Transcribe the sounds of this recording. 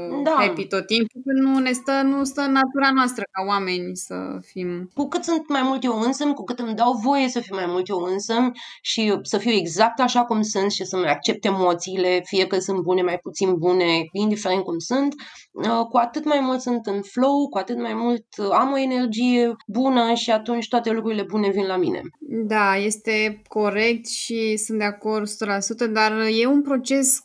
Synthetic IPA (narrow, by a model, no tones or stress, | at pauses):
d̪aepit̪ot̪t̪ːimpukɨnune̞st̪ənust̪ənːat̪uɾanoast̪ɾəkaoame̞nʲsə̰fimkukɨt̪sunt̪majmult̪jewɨnsəmʲkukɨt̪ɨmd̪awvo̞je̞səfiwmajmult̪jewɨnsəmʲʃisəfiwe̞ɡzak̚t̪aʃakumsunt̪ʃisəmajak̚t͡ʃe̞p̚t̪emo̞t̪siːle̞fije̞kəsunt̪̚bune̞majput̪sinbune̞ind̪ifeɾent̪̚kumsunt̪ | əkuat̪ɨt̪majmult̪sunt̪ɨnflo̞wkuat̪ɨt̪majmult̪amo̞e̞ne̞rd͡ʒije̞bunəʃiat̪unt͡ʃʲt̪oat̪e̞lukɾuɾile̞bune̞vinlamḭnḛd̪aje̞st̪e̞ko̞ɾe̞k̚t̪ʃisunt̪̚d̪eako̞rd̪su̥t̪əlasut̪əd̪arje̞unpɾo̞t͡ʃe̞s